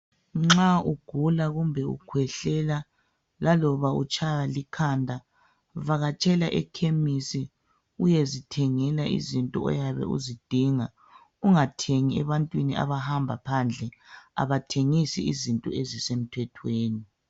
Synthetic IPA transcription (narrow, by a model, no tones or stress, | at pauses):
ŋ͡ǁauɡ̥ʱulaɣumbʱɛṵkʰwɛɬɛla | lalɔβaut͡ʃʼajalikʰandʱa | vaɣat͡ʃʼɛlaʔɛkʰemisi | ujezitʰɛŋɛlaʔḭzintʼɔ̰ɔ̰jaβɛ̰ṵzid̥ʱiŋa | uŋatʰeŋiɛβantʼwinia̰βahambʱapʰand͡ɮʱɛa̰βatʰeŋisiizintʼɔ̰ezisem̩tʰwɛtʰweːni